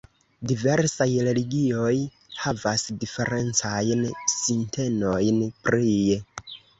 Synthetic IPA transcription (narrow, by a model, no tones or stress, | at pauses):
dive̞ɾsajɾe̞liɡio̞j | havasdife̞ɾe̞nt͡sajnsintʰe̞no̞jnpɾie